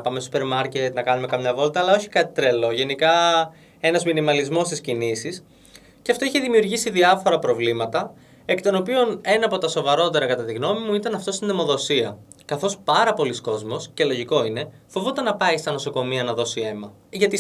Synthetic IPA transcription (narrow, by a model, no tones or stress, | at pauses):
pɐmesou̥pe̞ɾmɐɾcet̪nɐkɐnume̞kɐmɲɐvo̞lt̪ɐːlɐo̞çi̥kɐt̪i̥t̪ɾelo̞ʝe̞nikɐ | e̞nɐzminimɐlizmo̞st̪iscinisis | ceɐft̪o̞içeðimiuɾʝisiðiɐfo̞ɾɐpɾo̞vlimɐt̪ɐ | eki̥t̪o̞no̞pio̞ne̞nɐːpo̞t̪ɐso̞vɐɾo̞t̪e̞ɾɐkɐt̪ɐt̪iɣno̞mimuit̪ɐnɐft̪o̞st̪inemo̞ðo̞siɐ | kɐθo̞spɐɾɐpo̞lisko̞zmo̞sce̞lo̞ʝiko̞ine̞fo̞vot̪ɐnɐpɐist̪ɐno̞so̞ko̞miɐnɐðo̞sie̞mɐ | ʝɐt̪i